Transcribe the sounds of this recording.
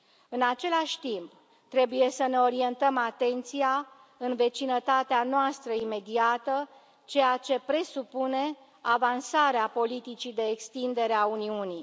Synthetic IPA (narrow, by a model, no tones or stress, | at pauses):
ɨnat͡ʃe̞laʃʲt̪imp | t̪ɾe̞buje̞səne̞o̞ɾie̞nt̪əmat̪e̞nt̪sija | ɨnve̞t͡ʃinət̪at̪eanoast̪ɾəime̞d̪iat̪ə | t͡ʃe̞jat͡ʃe̞pɾe̞supune̞ | avansaɾeapo̞lit̪it͡ʃid̪e̞ːkst̪ind̪e̞ɾeauniuni